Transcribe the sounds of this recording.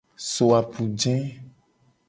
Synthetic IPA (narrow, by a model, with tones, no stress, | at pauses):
so˨a˨pu˨d͡ʒɛ̃˦